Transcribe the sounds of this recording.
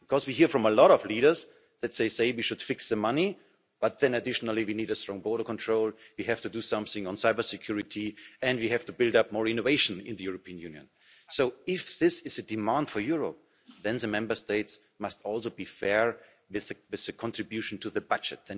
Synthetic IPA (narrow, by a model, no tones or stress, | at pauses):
b̥kʰɔzwiɦiɹfɹʌ̃məlɔɾʌvliɾə˞z | ðɨt̚ðeɪseɪwiʃʊd̥fɪksðəmani | b̥ʌt̪̚ðɨ̃nɨdɪʃnl̩ˠiwiniːɾɨstɹ̥ɔ̃ŋbɔɹɾə˞kʰɔ̃ntʰɹ̥oʊlˠwiɦæftudusʌ̃mθɪ̃ŋə̃nsaɪbə˞sɪkʰj̥ʊɹɪtʰiɨ̃ndwihæftubɪlˠdap̚mɔɹɪ̃noveɪʃnɪ̃nðɨjʊɹopʰiɨ̃njʉ̃njɨ̰̃n | soʊɪfðɪsɪzɨdɨmãnd̥fɔ˞jʊɹəp̚ | ðɛ̃nðɨmɛ̃mbə˞steɪts | mʌstɔlˠsoʊbifɛɹ | wɪðɨwɨðɨkʰɔ̃ntɹ̥ɨbjʉʃn̩tʰuðɨbʌd͡ʒɨt̚ðɛ̃n